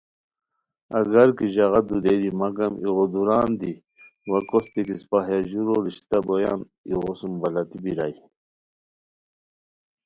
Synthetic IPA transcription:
ɐɡaɾkiʑaɣad̪ud̪ed̪imaɡɐmiɣod̪uɾaːnd̪i | wakost̪ikispaɦjaʑuɾoɾiɕt̪aboja̰ːn | ḭɣosumbalat̪ibiɾa̰j

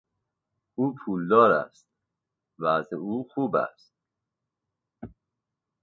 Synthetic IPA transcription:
uːpʰuːld̪ɒːɾæ̰st̪̚ | væzeuːxuːbæ̰st̪̚

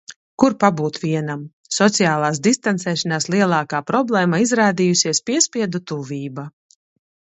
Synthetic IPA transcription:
kuɾpabuːt̪vʲiɛnam | sɔt̪sijaːlˠaːsd̪ist̪ant̪sɛːʃanaːslˠiɛlˠaːkaːpɾɔblˠɛːmaizɾaːd̪iːjusiɛspiɛspʲiɛd̪ut̪uviːba

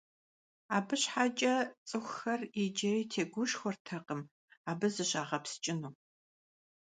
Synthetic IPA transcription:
aːbɨɕħat͡ʃʼɐt͡sʼɨxʷxɐrid͡ʒɐriːtʰeːɡʷʊʃxʷɔrtʰɐqʼəm | aːbɨzɨɕʼaːʁɐpst͡ʃʼɪnuː

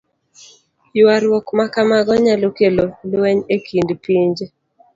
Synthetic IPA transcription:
jwaɾwɔkmakamaɡɔɲalokelolwɛɲekʰindpiɲd͡ʒe

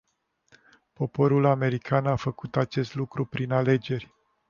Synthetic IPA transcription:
po̞po̞ɾulame̞ɾikʰanafəkut̪at͡ʃe̞st̪lukɾupɾinale̞d͡ʒe̞rʲ

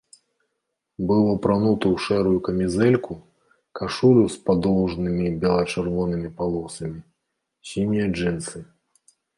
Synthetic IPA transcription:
bɨlˠɔpɾanut̪ɐwʂɛɾujukɐmʲizɛlʲku | kaʂulʲuspad̪ɔwʐnɨmʲibʲɛlˠɐt͡ʂɛrvɔnɨmʲipalˠɔsɐmʲi | sʲimʲijɐʐɨnsɨ

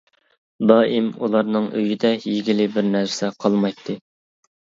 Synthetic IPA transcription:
d̪ɑimulˠɑɾnɨŋø̰jid̪ɛjiɡʲilɪbɪɾnæɾɾsɛqʰɑlˠmɑjt̪ʰːɨ

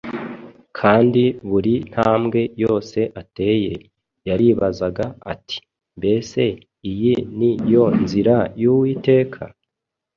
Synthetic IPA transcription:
kʰaːndiβuɾin̥haːmɡe̞jo̞ːse̞ʔate̞ːje̞̰ | jaɾiːβazaɡaatʰi̥ | mbe̞se̞ | ijinijo̞nziɾajuwite̞ːkʰa̰

